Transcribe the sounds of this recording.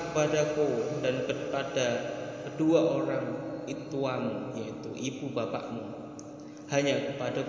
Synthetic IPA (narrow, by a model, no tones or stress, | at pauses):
kəpadakudankəpadakəduaʔoɾaŋit̪uamujait̪ṵʔibubapa̰ʔmu | haɲakəpada